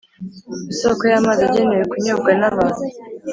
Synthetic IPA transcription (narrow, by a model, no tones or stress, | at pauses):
isokojamazeɟenejekuɲob̚ɡanaβanu